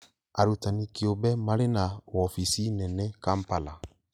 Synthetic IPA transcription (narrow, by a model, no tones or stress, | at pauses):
a̰ɾutanĩkiobɛmaɾenaɔfisinɛnɛ̃kam̩pala